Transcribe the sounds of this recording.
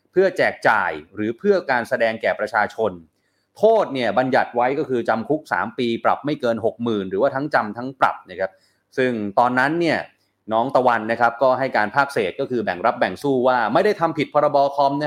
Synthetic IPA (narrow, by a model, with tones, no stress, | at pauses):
pʰɯ˥˩ɐt͡ɕɛː˨˩k̚t͡ɕa̰ː˨˩jɾɯː˩˦pʰɯ˥˩ɐkaː˧nsa˧dɛː˧ŋkɛː˨˩pɾa˧t͡ɕʰaː˧t͡ɕʰo˧n | t̪ʰoː˥˩t̪̚ni˥˩ɐba˧nja˨˩t̪̚wa˦˥jkɔː˥˩kʰɯː˧t͡ɕa˧mkʰu˦˥k̚sa̰ː˩˦mpiː˧pɾa̰˨˩p̚ma˥˩jkɤː˧nɦo˨˩k̚mɯː˨˩nɾɯː˩˦waː˥˩t̪ʰa˦˥ŋt͡ɕa˧mt̪ʰa˦˥ŋpɾa̰˨˩p̚na˦˥kʰɾa˦˥p̚ | sɯ˥˩ŋt̪ɔː˧nːa˦˥nːi˥˩ɐ | nɔː˦˥ŋt̪a˧wa˧nːa˦˥kʰa˦˥p̚kɔː˥˩ɦa˥˩jkaː˧npʰaː˥˩k̚seː˨˩t̪̚kɔː˥˩kʰɯː˧bɛ˨˩ŋɾa˦˥p̚bɛ˨˩ŋsuː˥˩waː˥˩ma˥˩jda˥˩jt̪ʰa˧mpʰi˨˩t̪̚pʰɔː˧ɾa˧bɔː˧kʰɔː˦˥mna˦˥